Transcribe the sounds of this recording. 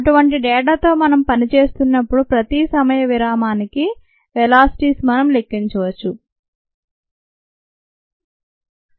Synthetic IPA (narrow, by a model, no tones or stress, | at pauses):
ɐʈuʋɐɳʈiɖɛːʈaːt̪o̞ːmɐnɐmpɐnit͡ʃe̞ːst̪unːɐpːuɽupɾɐt̪isɐmɐjɐʋiɾaːmaːniki | ʋɛlaːsi̥ʈiːsmɐnɐmle̞kːiɲt͡ʃɐʋɐt͡ʃːu